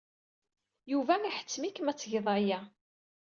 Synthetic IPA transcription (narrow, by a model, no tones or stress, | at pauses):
juvæmiħə̥t͡sːmikmæt͡sːəʝðˤɑjæ